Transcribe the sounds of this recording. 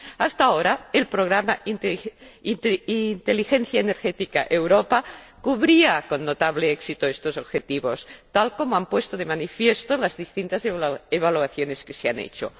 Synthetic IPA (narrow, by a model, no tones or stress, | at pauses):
ast̪aoɾaelpɾoɣ̞ɾama | innt̪elixenθjaeneɾxet̪ika̰ʔewɾopakuβɾiakonːot̪aβleeksit̪oest̪osoβxet̪iβost̪alkomoampwest̪oðemanifjest̪olazðist̪int̪azeβ̞aluaθjoneskeseanḛt͡ʃo̰